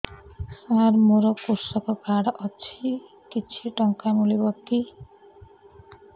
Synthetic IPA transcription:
saɾmoɾʌkuɾsʌkɔpaɽʔʌt͡sʰi | kit͡sʰiʈʌŋkamulibʌkːi

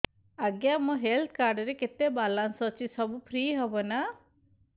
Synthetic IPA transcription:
aɡjamɔɦelt̪ʰkaɾɖɔɾeket̪ebalansɔt͡ʃʰisɔbupʰɾiːɦɔbɔna

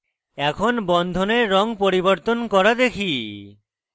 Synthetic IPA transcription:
ɛkʰonbɔnd̪ʱoneɾːɔŋpoɾiboɾt̪onkɔɾad̪ekʰi

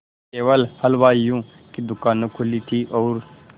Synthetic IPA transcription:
keːʋəlhəlʋaːijũː | kid̪ʊkaːnũkʰʊlit̪ʰiʔɔːɾ

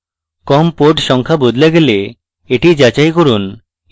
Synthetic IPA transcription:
kɔmpoʈʃɔŋkʰabod̪ʱlaɡele | eʈid͡ʑat͡ɕajkoɾun

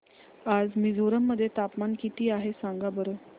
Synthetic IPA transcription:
ad͡zmid͡zʱoɾəmːəd̪ʱːjet̪apmankit̪ʰiːaɦesãŋɡabəɾo

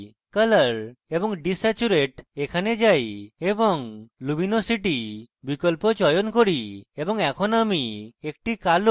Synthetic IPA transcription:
kələɾebɔŋɖisat͡ʃuɾeʈekʰaned͡ʒajebɔŋluminosiʈi | bikɔlpot͡ʃɔjɔnkoɽiebɔŋɛkʰɔnamiek̚ʈikal

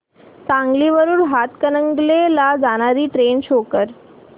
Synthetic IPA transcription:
t͡sãŋɡliːʋəɾuːɾɦat̪kənəŋɡlelad͡zaɽ̃aɾiːʈɾenɕokəɾ

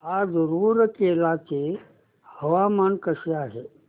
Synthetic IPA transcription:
aːzəɾuːɾəkeːlaːt͡ʃe | hɐʋaːmaːnkɐʃiaːɦeː

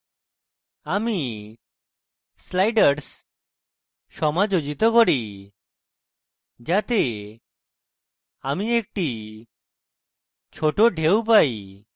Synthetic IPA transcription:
ami | slajɖəɾs | ʃɔmad͡ʒod͡ʒit̪okoɾi | d͡ʒat̪e | amiek̚ʈi | t͡ʃʰoʈoɖʱewp̬aj

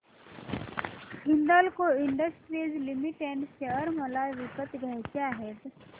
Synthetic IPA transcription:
ɦɪnd̪əlkoɪɳɖəsʈɾizlimiʈeɳɖʃeəɾməlaʋikət̪ɡʱəɦt͡ʃjaɦeːt̪

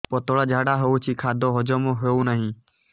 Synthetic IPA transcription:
poːt̪oːɽaːd͡ʒʱaːɽaːɦout͡ʃʰiːkʰaːd̪ʱoːɦod͡ʒoːmõːɦeũːnəɦĩː

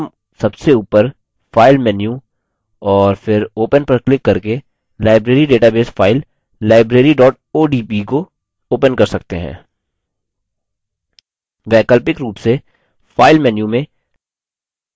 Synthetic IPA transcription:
m | sɐbseuːpəɾ | faːɪlmɛːnju | ɔːɾfʰɪɾoːpənpɐɾklɪkːɐɾke | laːɪbɾeːɾiɖeːʈabeːsfʰaːɪlː | aːɪbɾeːɾiɖɔːʈ̚ | oːɖiːpiko | oːpənkɐɾsɐk̚t̪eɦɛ̰̃ː | ʋɛːkəlpɪkɾuːpse | fʰaːɪlmɛːnjũmẽ

